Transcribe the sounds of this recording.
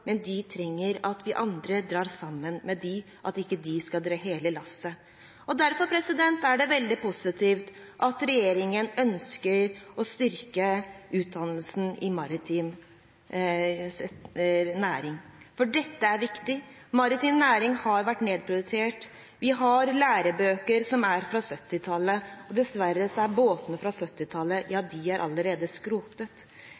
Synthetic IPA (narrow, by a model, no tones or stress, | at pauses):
mɛnd̪ɪt̪ʰɾɛŋːəɾɑt̪ʰʋɪʔɑnd̪ɾəd̪ɾɑːɾsɑmːənmɛd̪ɪ | ʔɑ̰t̪ɪkːəd̪ɪskɑld̪ɾɑːɦeːləlɑsə | ɔd̪æɾfɔɾpʰɾɛsɪd̪ɛnt̪æɖɛʋɛld̪ɪpʊsɪt̪ʰiːft̪ʔɑt̪ɾɛjeːɾɪŋənœnskəɾɔst̪ʏɾkəʉːt̪̚d̪ɑnəlsn̩ɪmɑɾɪt̪ʰim | næːɾɪŋfɔɖɛt̪ːəæɾʋɪkt̪ɪmɑɾɪt̪iːmnæːɾɪŋhɑɾʋæʈːneːd̪̚pʰɾʊd̪ʉseːʈ | ʋɪɦɑɾlæːɾəbøːkəɾsɔmæɾfɾɑsœt̪ːɪt̪ʰɑlːəɔd̪ɛsʋæɾːəsɔæɾboːt̪nəfɾɑsœt̪ːɪt̪ʰɑlːəjɑːd̪ɪæɾʔɑ̰lːəɾeːd̪əskɾuːt̪ət̪